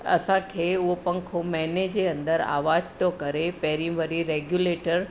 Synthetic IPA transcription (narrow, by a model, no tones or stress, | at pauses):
ɐ̰sãkʰeːʊɦopɐ̃ŋkʰomɛːned͡ʑeə̃nd̪əɾa̰ːʋaːd͡ʑt̪jokɐɾepɛɦɾĩʋəɾiɾeɡjuleːʈəɾ